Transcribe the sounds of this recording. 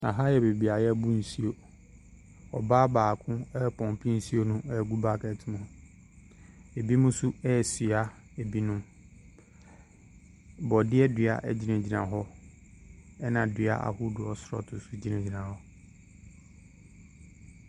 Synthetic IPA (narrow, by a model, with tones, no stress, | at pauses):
a̰˨ɦa˦jɛ˨be˨bi˨a˨jɛ˦bu˦n̩˨si˦o˨ | ɔ̰˨baː˦baː˨kʰʊ̃˦ɛ˦˨pʰɔ̃˨mpʰĩ˦n̩˨si˦o˦nʊ̃˦ɛ˦˨ɡu˦ba˦kɛ˨tʰɪ˦mũ˨hʊ˨ | e˨bi˦mʊ̃˦su˦ɛ˦˨sɥa˦ | e˨bi˦nʊ̃˦ | bɔ˨dɪ˦ɛ˦dɥa̰˨ʔɛ˦d͡ʑi˦nɛ̃˨d͡ʑi˨nã˨ɦɔ˦ | ɛ˦nã˨dɪ˨a̰˦ʔa̰˨hʊ˦dʊ˨ɔ˨sɾɔ̰˦tʰʊ˨su˦d͡ʑi˦nɛ̃˨d͡ʑi˨nã˨hɔ˦